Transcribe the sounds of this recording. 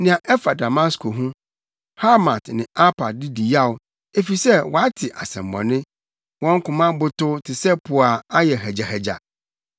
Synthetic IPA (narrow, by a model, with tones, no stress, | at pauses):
nɪ̃˨ã˨ʔɛ˦fa˨da˨ma˦skʰo˨ɦũ˦ | ha˦ma˨tnɪ̃˨a˦pʰa˨dɪ˦di˨ja˦˨ʊ˨ | e˦fi˨sɛ˦wɔ˨a˦tʰɪ˨ʔa˨sɛ̰̃˨m̩˨bɔ̰̃˨nɪ̃˦ | wɔ̃˦ŋ̩˦kʊ̃˨mã˦bʊ˦tʊ˦tʰɪ˨sɛ˦pʰʊ˨a˨a˦jɛ˨ɦɛ˨d͡ʑa˨hɛ˨d͡ʑa̰˨